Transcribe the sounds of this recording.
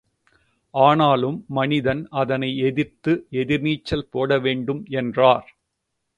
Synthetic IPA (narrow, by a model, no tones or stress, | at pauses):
ʔaːnaːlɯmːɐnɪðɐnɐðɐnɐɪɛðɪrt̪ɯɛðɪɾniːt͡ʃːɐlpoːɽɐʋeːɳɖɯmɛndraːɾ